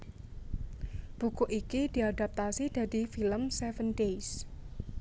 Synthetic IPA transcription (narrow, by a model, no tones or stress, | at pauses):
b̥ukuʔikid̥i̤adap̚t̪asid̥a̤difiləmsɛfəndejs